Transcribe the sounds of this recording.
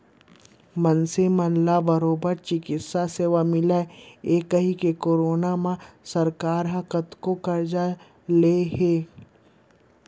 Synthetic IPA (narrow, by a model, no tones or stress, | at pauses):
mɐnsemɐnlabəɾoːbəɾt͡ʃɪkɪt̪saseːʋamɪlaeːkəɦikekoːɾoːnamãsɐɾkaːɾɦɐ̃kət̪kokɐɾd͡ʒa | leɦeː